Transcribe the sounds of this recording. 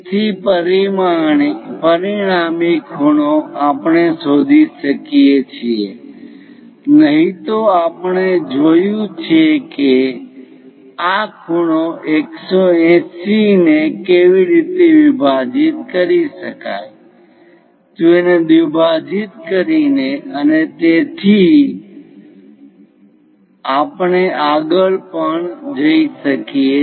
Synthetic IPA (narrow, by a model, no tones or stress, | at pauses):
t̪ʰipəɾimapəɾiɳ̃amikʰuɽ̃oapɳesod̪ʱiʃəkiet͡ʃʰie | nəɦit̪oapəɳed͡ʒojũt͡ʃʰeke | akʰuɽ̃oʔeksoɛ̃sinekeʋiɾit̪eʋibʱad͡ʒit̪̚kəɾiʃəka̰j | t̪uened̪ibʱad͡ʒit̪kəɾineənet̪et̪ʰi | apɳeʔaɡəɭpəɳd͡ʒəiʃəkie